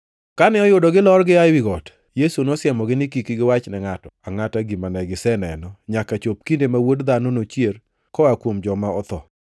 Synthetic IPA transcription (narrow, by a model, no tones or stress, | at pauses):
kanɛɔjʊdɔɡɪlɔrɡɪawiɡɔt | jesunosjɛmɔɡɪnɪkikiɡɪwat͡ʃnɛŋatɔaŋataɡimanɛɡɪsɛnɛnɔɲakat͡ʃop̚kindemawodd̪anonot͡ʃjer | kɔakwomd͡ʒɔmaɔt̪ɔ̰